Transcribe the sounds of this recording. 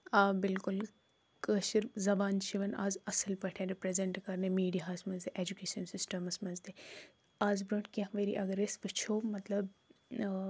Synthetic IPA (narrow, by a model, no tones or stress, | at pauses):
aːbɪlkʊl | kəːʃiɾzɐbaːnt͡ʃʰiʋɐna̰ːzɐsəlpɐʈʰẽːɾipɾezeɳʈkɐɾnemiːɖijasmɐnzt̪eʔed͡ʒukeːʃɐnsɪsʈɐmɐsmɐnzd̪e | aːzbɾoɳʈkʲãɦʋeɾḭʔɐɡɾesʋɨt͡ʃʰoːmɐt̪lɐb